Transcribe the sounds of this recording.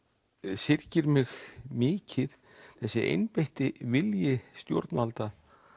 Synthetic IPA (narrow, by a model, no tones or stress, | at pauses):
sɪɾcɪɾmɪxmɪːcʰɪð | θɛsːɪʔḛjnpejht̪ɪvɪljɪst̪jo̰wɾt̪nvalt̪a